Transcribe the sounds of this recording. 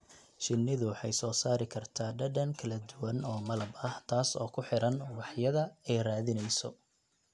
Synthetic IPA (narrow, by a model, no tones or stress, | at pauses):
ʃɪnːɪðʊwħɑjsɔːsaːɾɪkʰɐrt̪ʰaːɖɐɖɐŋkʰɐlɐd̪ʊwɐnɔːmɐlɐbɐht̪ʰaːsɔ̰ːkʰʊħɪɾɐnwɑħjɐðɐɛjraːðɪnɛjsɔ